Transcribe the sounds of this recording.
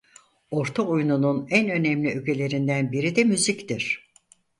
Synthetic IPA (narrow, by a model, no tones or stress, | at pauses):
o̞ɾt̪ʰaujnununænø̞nɛmlʲiøcʰe̞lʲe̞ɾind̪ænbiɾid̪ɛmyzict̪iɾ̥